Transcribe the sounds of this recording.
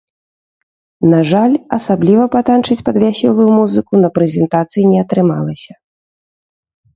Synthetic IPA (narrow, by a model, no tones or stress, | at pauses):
naʐalʲɐsablʲivɐpat̪ant͡ʂɨt͡sʲpɐd̪vʲasʲɛlˠujumuzɨkunɐpɾɛzʲɛnt̪at̪sɨjinʲɛɐt̪ɾɨmalˠɐsʲɐ